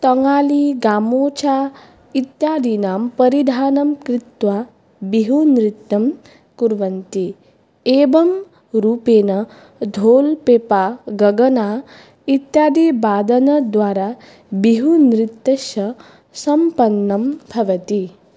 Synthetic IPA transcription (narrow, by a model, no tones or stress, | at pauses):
t̪ɐŋaːliɡaːmoːt͡ʃaː | it̪jaːd̪iːnaːmpɐɾid̪ʱaːnɐmkɾɪt̪ʋaː | biɦunɾit̪ːɐm | kuɾʋɐnt̪i | eːbɐm | ɾuːpeːnɐ | d̪ʱoːlpeːpaːɡɐɡɐnaː | it̪jaːd̪iːbaːd̪ɐnɐd̪ʋaːɾaː | biɦunɾit̪ːɐʃɐ | sɐmpɐnːɐmbʱɐʋɐt̪i